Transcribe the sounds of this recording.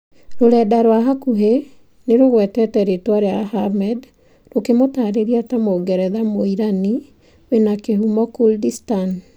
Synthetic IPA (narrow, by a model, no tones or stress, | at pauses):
ɾoɾɛːdaɾwaɦakuɦe | neɾoɣwɛtɛtɛɾetwaɾeahamɛd | ɾokemotaːɾeɾiatamoɡɛɾɛðamoiɾani | wenakehumɔkuldistan